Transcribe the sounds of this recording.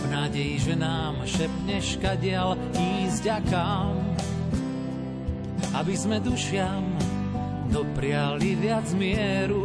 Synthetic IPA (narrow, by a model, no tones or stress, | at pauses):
vnaːɟɛjiʒɛnaːmʃɛpɲɛʃkaɟɪal | iːzɟakam | abizmɛd̪uʃɪam | d̪ɔpɾɪaliʋɪad͡zmɪɛɾu